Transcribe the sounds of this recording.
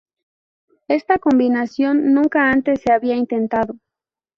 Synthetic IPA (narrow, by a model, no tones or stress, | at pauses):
e̞st̪ako̞mbinasjo̞nːũŋkaant̪e̞sːe̞aβiaint̪e̞nt̪aðo̞